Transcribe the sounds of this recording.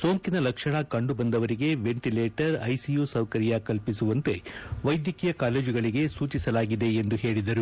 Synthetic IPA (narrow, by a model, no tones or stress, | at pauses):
so̞ːŋkinɐlɐkʂɐɳɐkɐɳɖubɐnd̪ɐʋɐɾiɡe̞ʋe̞ɳʈileːʈɐɾɐjsijuːsɐwkɐɾjakɐlpisuʋɐnt̪e̞ʋɐjd̪jɐkijɐkaːle̞ːd͡ʒiɡɐɭiɡe̞suːt͡ʃisɐlaːɡid̪e̞ːnd̪uɦe̞ːɭid̪ɐɾu